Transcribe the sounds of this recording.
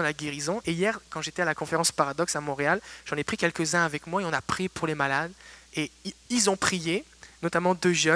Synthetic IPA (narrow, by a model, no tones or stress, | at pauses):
ɑ̃laɡʲeʁizɔ̃ʔeijɛʁkɑ̃ʒet̪ɛalakɔ̃feʁɑ̃spaʁad̪ɔksamɔ̃ʁealʒ̥ɑ̃nepχikʲɛlkəzɛ̃avɛkmwaeɔ̃napχipuʁlemalad̪eilzɔ̃pχije | nɔt̪amɑ̃d̪øʒœ